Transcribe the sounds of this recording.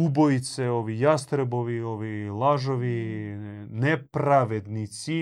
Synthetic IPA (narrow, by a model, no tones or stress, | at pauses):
uboit̪seoʋijast̪ɾeboʋioʋilˠaʒoʋi | nepɾaʋed̪nit̪si